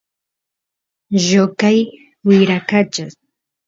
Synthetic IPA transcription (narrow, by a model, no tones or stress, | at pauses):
ʒokaj | wɪɾakat͡ʃas